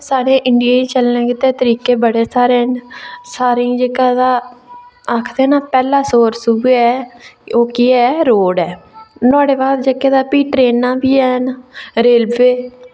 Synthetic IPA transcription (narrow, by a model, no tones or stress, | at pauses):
saːɽeːʔɪɳɖɪjaːiːt͡ʃəlnẽːkɪt̪eːt̪əɾiːkeːbəɽeːsaːɾeːnsaːɾĩːd͡ʒeːkaːd̪aː | akʰd̪eːnaːpɛːlãːsoːɾsubeːɛːoːkiːɛːɾoːɽɛːnʊaːɽeːbaːd̪d͡ʒeːkeːd̪aːpiːʈɾeːnːãːbiːɛːnɾeːlbeː